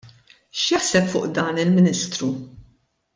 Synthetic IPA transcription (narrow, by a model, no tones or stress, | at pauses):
ʃjɐħsɛpfʊ̰ːʔd̪ɐːnɪlmɪniːst̪ɾu